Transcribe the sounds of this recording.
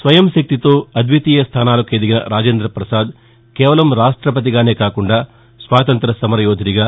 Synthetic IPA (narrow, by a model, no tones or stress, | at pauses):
sʋɐjɐmʃɐk̚t̪it̪oːɐd̪ʋit̪iːjɐst̪ʰaːnaːlɐkeːd̪iɡinɐ̰ɾaːd͡ʒeːnd̪ɾɐpɾɐsaːd̪ | kɛːʋɐlɐmɾaːʂʈɾɐpɐt̪̬iɡaːne̞ːkaːkuɳɖaː | sʋaːt̪ɐnt̪ɾɐsɐmɐɾɐjoːd̪ʱiniɡaː